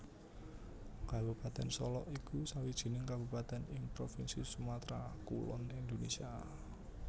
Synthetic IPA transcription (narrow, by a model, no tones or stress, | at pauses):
kabṳpat̪ɛnsɔlɔ̰ʔikusawid̥ʒ̥i̤nɪŋkab̥upat̪ɛnɪŋpɾofinsisumat̪ɾakṵlɔ̰nind̪onesia